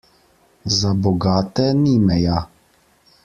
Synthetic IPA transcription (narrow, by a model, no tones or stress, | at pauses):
zabɔɡaːt̪ɛnimɛja